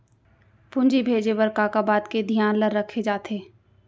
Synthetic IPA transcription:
pʊ̃nd͡ʒibʱeːd͡ʒewəɾkaːkaːbaːd̪ked̪ʱijaːnləɾːəkʰed͡ʒaːt̪ʰeː

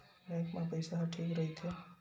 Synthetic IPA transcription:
ɾãkmãpəjsaɦəʈʰekɾəɦit̪ʰe

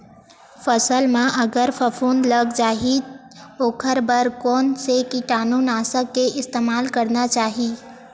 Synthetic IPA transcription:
pʰəsəlmãʔəɡəɾpʰəpʰund̪ləɡd͡ʒaːɦi | oːkʰəɾbəɾkɔːnsekiʈaːnunaːsəkːeʔɪst̪eːmaːlkəɾnat͡ʃaːɦi

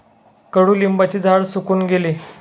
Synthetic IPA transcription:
kəɽuːlimbat͡ɕiːd͡zʱaɽsukuːnɡeliː

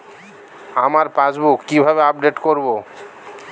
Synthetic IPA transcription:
amaɾpasbukːibʱabeab̚ɖeʈkoɾbo

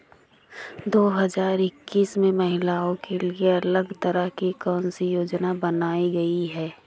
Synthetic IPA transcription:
d̪oːɦəzaːɾɪkːiːsmẽmɐɦɪlaːõkelieɐləɡt̪əɾəɦkikɔːnsijoːd͡ʒnabɐnaːiɡɐiɦɛː

